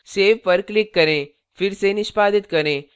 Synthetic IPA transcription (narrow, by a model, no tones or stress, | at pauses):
seːʋpəɾklɪkːɐɾẽ | fʰɪɾsenɪʃpaːd̪ɪt̪kɐɾẽ